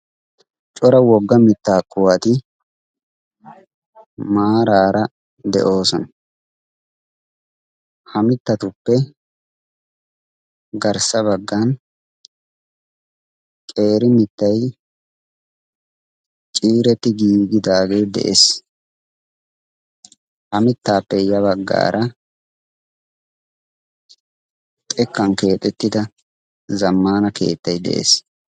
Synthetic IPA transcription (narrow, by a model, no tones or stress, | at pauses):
t͡ʃʼɔɾɐwɔɡːɐmɪt̪ːaːkːʊwat̪ɪ | maːɾaːɾɐ | d̪ɛ̰ʔo̞ːsɔnɐ | hɐmɪt̪ːɐt̪ʊpːɛ | ɡɐɾsɐbɐɡːɐn | kʼe̞ːɾɪmɪt̪ːɐj | t͡ʃʼiːɾɛt̪ːɪɡiːɡɪd̪aːɡe̞ːd̪ɛ̰ʔes | hɐmɪt̪ːaːpːɛjɐβɐɡːa̰ːɾʔɐ | t̪ʼɛkːɐnke̞ːt̪ʼɛt̪ːɪd̪ɐ | zɐmːaːnɐke̞̰ːt̪ːɐjd̪ɛ̰ʔḛs